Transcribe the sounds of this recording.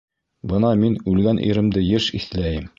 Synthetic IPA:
bɤnɑminʉlɡænʔḭɾɘ̆md̪ɘjɘʃiθlæjɘm

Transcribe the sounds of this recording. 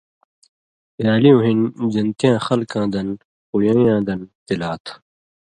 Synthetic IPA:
jaːliũːɦind͡ʑɐnt̪ijãːxɐlkãːd̪ɐn | pujãːjãːd̪ɐnt̪ilaːt̪ʰ

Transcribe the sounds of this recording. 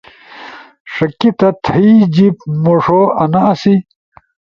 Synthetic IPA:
ʂɐkit̪ɐt̪ʰɐid͡ʑipmoʂoɐnɐɐsi

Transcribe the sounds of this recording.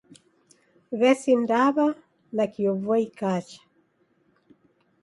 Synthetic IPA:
βɛsindaβa | nakiɔvwaikat͡ʃḁ

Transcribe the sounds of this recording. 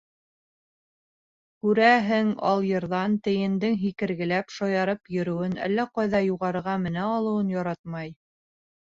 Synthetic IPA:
kʉɾæɦɘŋɑ̰lˠjɤ̆ɾðɑnt̪ɘ̆jɘ̆nd̪ɘŋɦikɘ̆ɾɡɘ̆læpʃɑjɑɾɤpjɵ̆ɾɵ̆wɘnæ̰lːæqɑjðɑjuʁɑɾɤ̆ɾʁɑmɘ̆næɑlˠɤ̆wɤnjɑɾɑt̪̚mɑj

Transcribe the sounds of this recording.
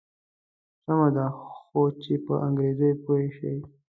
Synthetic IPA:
samad̪axot͡ʃepəʔaŋɡɾezəjpoeʃəj

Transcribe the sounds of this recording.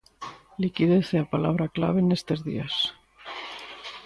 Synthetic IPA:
likið̞eθeapalaβɾakla̰β̞e̞nest̪ezðḭas

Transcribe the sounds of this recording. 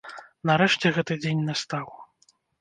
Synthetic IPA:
nɐɾɛʂt͡sʲɛɣɛt̪ɨd͡zʲenʲnast̪aw

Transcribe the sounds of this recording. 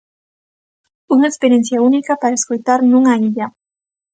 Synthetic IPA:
uŋaekspeɾjen̟θjaunikapaɾaeskojt̪aɾnũŋaiʎa

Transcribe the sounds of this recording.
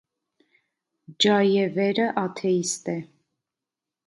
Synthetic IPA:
d͡ʒɑjɛvɛɾəʔɑt̪ʰɛist̪ɛ

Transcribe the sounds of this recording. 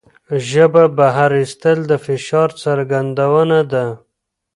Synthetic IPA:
ʒəbabaɦaɾist̪əld̪əfɪʃɑɾt͡saɾɡand̪awənad̪a

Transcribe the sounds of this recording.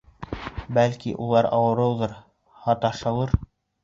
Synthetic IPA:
bælkiʔulˠɑɾɑ̰wɤ̆ɾɤ̆wðɤɾ | hɑt̪ɑʃɤlˠɤɾ

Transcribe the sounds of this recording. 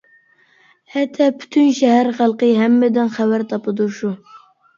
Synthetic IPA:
hɛt̪ʰːɛpʰy̥t̪ʰynʃɛɦæɾχælˠqəɦæmːɪd̪ɪnχæwæɾt̪ʰɑpɨd̪uɾʃu

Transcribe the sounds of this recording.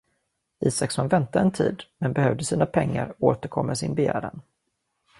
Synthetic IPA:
iːsaksɔnvɛnt̪aɛnt̪ʰḭːd̪mɛnbɛhœvd̪əsiːnapʰɛŋːa̰ɾoːt̪əɾkʰɔmːasɪnbɛjæ̰ːɾa̰n

